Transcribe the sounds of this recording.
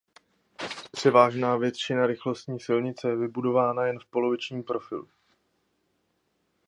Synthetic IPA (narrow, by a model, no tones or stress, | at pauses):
pr̥ɛvaːʒnaːvjɛt̪t͡ʃɪnaɾɪxlo̞st̪ɲiːsɪlɲɪt͡sɛjɛvɪbudo̞vaːnajɛnfpo̞lo̞vɪt͡ʃɲiːmpɾo̞fɪ̰lu